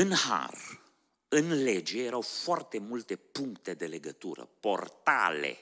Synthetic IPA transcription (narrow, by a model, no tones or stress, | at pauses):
ɨnha̰r | ɨnled͡ʒejeɾawfoart̪e̞mult̪e̞puŋkt̪e̞d̪e̞le̞ɡət̪uɾə̰po̞rt̪a̰lḛ